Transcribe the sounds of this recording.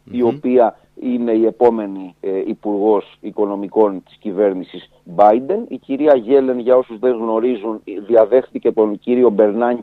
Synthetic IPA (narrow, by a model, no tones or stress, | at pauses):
io̞piɐ | ine̞ie̞po̞me̞niːpuɾɣo̞siko̞no̞miko̞nt̪i̥scive̞ɾnisis | bɐjd̪e̞niciɾiɐʝe̞le̞nʝɐo̞suzðe̞ŋɣno̞ɾizunðiɐðe̞xθice̞t̪o̞nciɾio̞be̞ɾnɐɲ